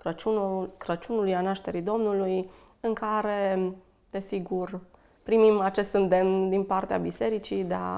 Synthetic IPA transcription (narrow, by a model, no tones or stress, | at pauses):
kɾət͡ʃunulujanaʃt̪e̞ɾid̪o̞mnuluj | ɨŋkaɾe̞ | d̪̥e̞siɡur | pɾimimat͡ʃe̞st̪ɨnd̪e̞mnd̪inpart̪ea̰bise̞ɾit͡ʃid̪ea̰